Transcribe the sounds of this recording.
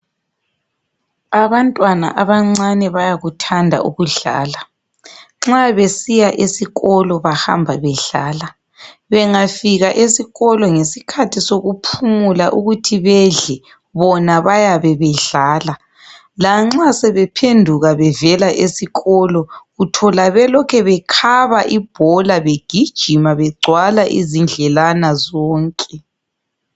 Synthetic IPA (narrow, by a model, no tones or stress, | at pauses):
aβantʼwana̰ʔaβaŋ͡ǀanɛβajaɣutʰandʱa̰ʔuɣuɮa̰ːla | ŋ͡ǁaβesijaʔesiɣɔlɔβaha̰mbʱaβɛɮaːla | βɛŋafiɣaʔesiɣɔlɔŋesikʰatʰisoɣupʰumula̰ʔuɣutʰiβɛɮɛ | βɔnaβajaβɛβɛɮaːla | laŋ͡ǁasɛβɛpʰendʱuɣaβɛvɛlaʔesiɣɔlɔɣutʰɔlaβɛlɔkʰɛβɛkʰaβaʔib̥ʱɔlaβeɡ̥ʱid̥ʒ̥ʱimaβɛɡ͡ǀʱwalaʔḭzind͡ɮʱɛlanazɔːŋkʼɛ